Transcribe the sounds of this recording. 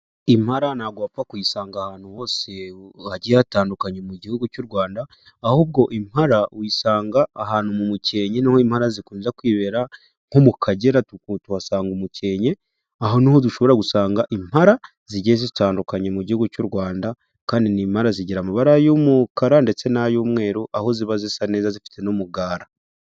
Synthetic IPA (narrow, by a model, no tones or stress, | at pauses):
imhaɾanaɡwaːpakujisaːŋɡahaːn̥uho̞ːse̞haɟijataːndukaɲe̞muɟihuɡucuɾɡwaːndaː | huːb̚ɡo̞ʔim̥haɾawiːsaːŋɡaːhaːn̥umumuce̞ːɲe̞nihoim̥haɾazikuːnzakwiːβe̞ːɾa | ŋ̥omukʰaɟe̞ɾatukutuhasaːŋɡumuce̞ɲe̞ | aɦo̞nihoduʃo̞βo̞ɾaɡusaːŋɡaʔim̥haɾa | ziɟezizitaːndukaɲemuɟihuɡucuɾwaːnda | kaːndinim̥haɾaziɟiɾamaβaɾajomukaɾande̞t͡se̞najuːmŋe̞ːɾoʔaho̞ziβazisane̞ːzazifi̥tʰe̞nomuɡaːɾa